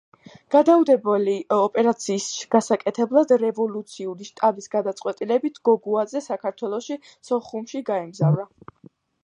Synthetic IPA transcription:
ɡ̥ad̪aud̪ɛbɛliɔpʼɛɾat̪sʰiːsɡ̥asakʼɛt̪ʰɛblˠad̪ɾɛvɔlˠut̪sʰiuɾiʃt̪ʼabisɡad̪at̪sʼqʼwɛt̪ʼilɛbit̪ʰɡ̥ɔɡuazɛsakʰaɾt̪ʰwɛlˠɔʃi | sɔχumʃiɡaɛmzavɾa

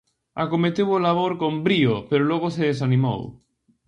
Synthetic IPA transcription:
akomet̪ewolaβ̞oɾkombɾiopeɾoloɣ̞oseðes̬anĩmo̰w

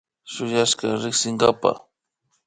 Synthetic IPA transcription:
ʃʊjaʃkaɾɪχsɪŋɡapa̰

